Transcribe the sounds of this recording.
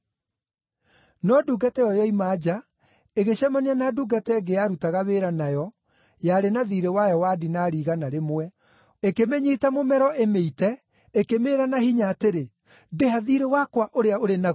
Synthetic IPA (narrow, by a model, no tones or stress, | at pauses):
nɔduːɡatɛjɔjɔimaːd͡ʑa | eɣeɕamanianaːduɡatɛɡejaɾutaɣaβeːɾanajɔ | jaɾenaðiɾewajɔwadinaɾiɣanaɾemwɛ | ekemeɲitamomɛɾɔʔemeitɛ | ekemeːɾanahiɲaːteɾe | deaðiɾewakwaʔoɾeaoɾena